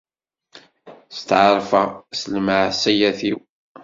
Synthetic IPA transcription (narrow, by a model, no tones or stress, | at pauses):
st̪ʕəɾˤfəsəlməʕsæjæθiw